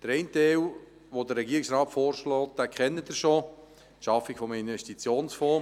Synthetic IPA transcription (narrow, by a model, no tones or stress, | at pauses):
d̥əɾɛɪntɛɪl | ʋodəɾːɛɡiːɪksrɑːtfɔːɾʃlɔːt̚d̪̥æːkʰχɛnːəd̪əɾʃo | ʃɑfɪɡ̥fɔməinvɛʃtit͡sjoːnsfɔ